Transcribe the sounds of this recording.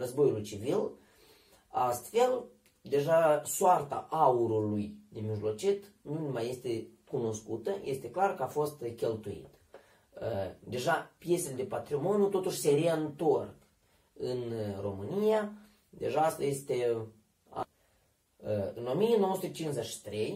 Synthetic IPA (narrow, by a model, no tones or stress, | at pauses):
rəzbo̞julujt͡ʃivil | ast̪fe̞l | d̪e̞ʒasoart̪a̰ʔauɾulujd̪emiʒlo̞t͡ʃit̪ | numaje̞st̪e̞kuno̞skut̪əje̞st̪e̞klarkəafo̞st̪kʲe̞lt̪uḭt̪ | d̪e̞ʒapje̞seled̪e̞pat̪ɾimo̞njut̪o̞t̪uʃʲse̞reɨnt̪ork | ɨnro̞mɨnija | d̪e̞̰ʒaast̪aje̞st̪e̞ | a̰ | ɨno̞mijeno̞wosut̪ət͡ʃinzeʃi̥t̪ɾe̞j